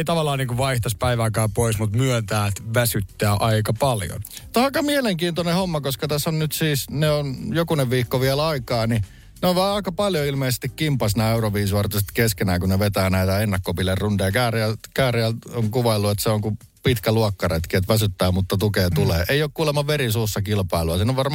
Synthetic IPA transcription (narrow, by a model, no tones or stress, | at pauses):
eit̪ɑʋɑlːˑɑːniːŋkuʋʋɑiht̪ɑspæiʋæːkæːpoismut̪myønt̪æːet̪ʋæsyt̪ːæːʔɑikɑpɑljo̰nt̪ohɑkɑːmieleŋkiːnt̪onehomːɑkoskɑt̪æsːonnyt̪siːsneonjokuneʋʋiːkːoʋiɛlɑikɑːni | neoʋʋɑːɑikɑpɑljoilmeisest̪ikkimpːɑsnæːeuroʋiːsuɑrt̪uset̪keskenæːkuneʋet̪æːnæit̪æenːɑkːopilːerrundejɑkæːriækæːriæloŋkuʋɑilːuet̪seoŋku | pit̪kæluɑkːɑret̪kiet̪ʋæsyt̪ːæːmut̪ːɑt̪ukeːt̪uleːʔeioːkkuːlemɑʋerisuːsːɑkilpɑiluɑsiːnːoʋʋɑrm